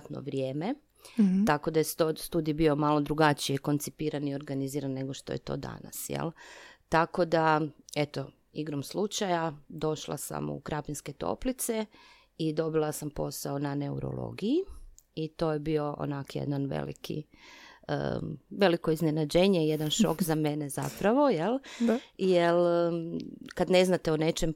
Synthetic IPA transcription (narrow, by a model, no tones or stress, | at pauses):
t̪no̰ʋɾjeːme | t̪ako̞d̪ajest̪ost̪uːd̪ijbiomalˠo̞d̪ɾuɡat͡ʃijeko̞nt̪sipiːɾanio̞ɾɡaniziːɾanːe̞ɡo̞ʃt̪o̞̰jḛt̪o̞̰ːd̪a̰na̰sjḛlˠt̪ako̞d̪ae̞t̪o̞ | iɡɾomslut͡ʃajad̪o̞ʃlˠa̰sa̰mṵkɾʔapinske̞t̪o̞̰plit̪se | id̪o̞bilˠasampo̞saonane̞uɾo̰lˠo̰ːɡijiit̪o̞ːjebio̞ʔo̰nakjḛd̪nanʋḛlḭkʰḭ | ə̰ʋe̞liko̞iznenad͡ʒeɲejed̪anʃo̞̰kzame̞neza̰pɾaʋo̞jel | jel | kad̪ne̞znat̪eone̞t͡ʃem